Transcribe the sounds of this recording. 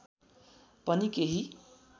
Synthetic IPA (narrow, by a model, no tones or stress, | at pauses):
pʌnikeɦi